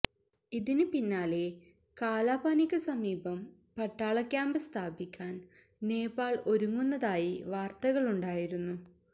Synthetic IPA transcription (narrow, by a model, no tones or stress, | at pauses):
iðinɨpinːaːle̞ | kaːlaːbaːnikʲːɐsɐmiːbɐm | pɐʈːaːɭɐkʲːaːmbɐst̪ʰaːbikʲːaːn | neːbaːɭo̞ɾuŋːunːɐðaːjiʋaːrt̪ɐɣɐɭuɳɖaːjiɾunːu